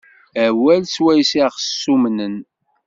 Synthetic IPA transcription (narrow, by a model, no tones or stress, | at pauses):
æwælswæjsiʁsːumnən